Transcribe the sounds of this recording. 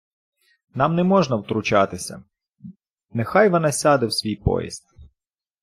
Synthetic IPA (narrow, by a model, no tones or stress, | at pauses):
nɑmnɛmɔʒnɐwt̪ɾʊt͡ʃɑt̪ɪsʲɐ̰ | nexɑjʋɔnɑsʲɑd̪ɪwsʲʋʲijpɔ̰jḭsʲt̪̚